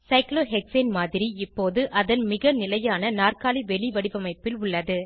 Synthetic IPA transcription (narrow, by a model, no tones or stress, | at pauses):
sɐɪkloːɦɛksɐɪnmaːðɪɾiɪpːoːðɯʔɐðɐnmɪɣɐnɪlɐjaːnɐnaːrkaːliʋɛɭɪʋɐɽɪʋɐmɐɪpːɪlʊɭːɐðɯ